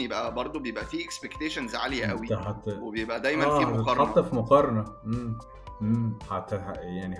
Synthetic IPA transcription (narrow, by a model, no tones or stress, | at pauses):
jebʔæbɑɾˤd̪ˤobejebʔæfiːʔekspekt̪eːʃænzʕalejæʔæwit̪ɦæt̪webejebʔæd̪æjmænnːfihmæt̪etɑɾˤɑt̪ˤːɑfimoqɑɾˤɑnɑʔem | ʔemħat̪jaʕni